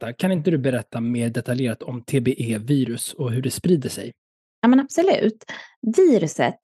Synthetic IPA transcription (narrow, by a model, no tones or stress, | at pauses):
akʰanɪnt̪̬əd̪ɵbɛɾɛt̪ʰːameːɖɛt̪ʰaljeːɾat̪ʰɔmt̪ʰeːbeːʔeːviːɾɵsɔɦɵɖɛspɾiːd̪əʂɛ̰j | aːmɛnab̥sɔlʉ̟̰ːt̪viːɾɵsə̰t̪